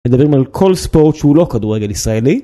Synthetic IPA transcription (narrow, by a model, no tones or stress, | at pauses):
med̪abʁimalkʰo̞lspo̞ʁt̪ʃeulo̞kad̪uʁːeɡe̞lisʁaeli